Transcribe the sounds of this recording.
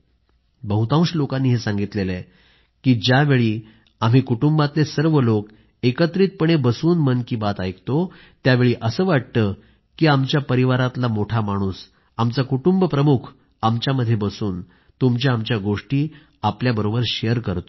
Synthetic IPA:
bəɦut̪ãw̃ɕlokãnːiːɦesãŋɡit̪lele | kiːd͡ʑjaʋeɭiː | am̤iːkuʈumbãt̪lesəɾʋəlok | ekət̪ɾiːt̪̚pəɳebəsuːnmənkiːbat̪ajkt̪o | t̪jaʋeɭiːʔəsəːʋaʈ̚t̪ə | kiːamt͡ɕjapəɾiʋaɾat̪lamoʈʰamaɽ̃uːs | amt͡sakuʈumbəpɾəmukʰ | amt͡ɕjaməd̪ʱːjebəsuːn | t̪umt͡ɕaamt͡ɕjaɡoʂʈiː | apljabəɾobəɾɕejəɾkəɾt̪o̥

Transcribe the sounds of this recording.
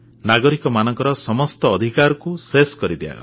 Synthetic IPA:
naɡɔɾikɔmanɔŋkɔɾɔsɔmɔst̪ɔːd̪ʱikaɾɔkuseskɔɾid̪ia̰ɡɔ̰

